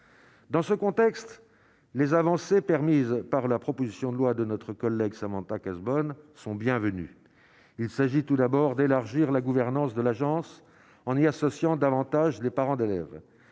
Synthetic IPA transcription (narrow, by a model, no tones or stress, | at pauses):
d̪ɑ̃səkɔ̃t̪ɛkst̪ | lezavɑ̃sepɛʁmizpaʁlapχɔpozisjɔ̃d̪əlwad̪ənɔt̪χəkɔlːɛɡsamɑ̃t̪akazbɔnsɔ̃bjɛ̃vəny̰ | ilsaʒit̪ud̪abɔʁd̪elaʁʒiʁlaɡuvɛʁnɑ̃sd̪əlaʒɑ̃s | ɑ̃niasɔsjɑ̃d̪avɑ̃t̪aʒlepaʁɑ̃d̪elɛ̰v